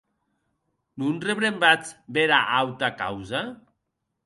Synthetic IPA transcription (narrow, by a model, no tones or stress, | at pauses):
nunreβɾembat͡sbeɾaʔawt̪aka̰wza